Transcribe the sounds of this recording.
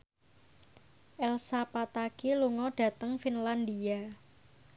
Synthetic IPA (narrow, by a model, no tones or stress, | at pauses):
ʔɛlsapat̪akiluŋɔd̥ä̤t̪əŋfinland̪ia